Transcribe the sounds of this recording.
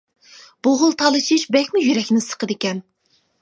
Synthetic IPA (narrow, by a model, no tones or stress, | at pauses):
b̥oʁʊlˠt̪ʰɑlˠɨʃʰiʃbɛkʲmujyɾɛkʲnɪsə̥qəd̪ɪkʲɛn